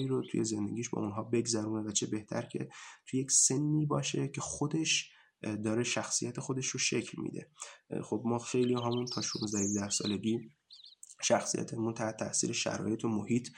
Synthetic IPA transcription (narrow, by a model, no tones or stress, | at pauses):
iːɾot̪ʰujeze̞nd̪eɡʲiːʃbɒ̰unɦɒːbe̞ɡzæɾuːnevæt͡ʃʰe̞be̞ht̪ʰæ̰ɾcʰe̞̰t̪ʰujecse̞nːiːbɒːʃe̞cʰe̞xo̞d̪e̞ʃ | d̪ɒːɾeʃæxsijæt̪ʰe̞xod̪e̞ʃɾoʃe̞cʰlmḭːd̪ḛxo̞bmɒːxe̞jlijɒɦæmunt̪ʰɒːʃunzd̪æhiʒd̪æhsɒ̰ːle̞ɟiː | ʃæxsḭjæ̰t̪ʰemunt̪ʰæht̪ʰæ̰ʔsḭːɾeʃæ̰ɾɒ̰ːje̞t̪ʰomohiːt̪ʰ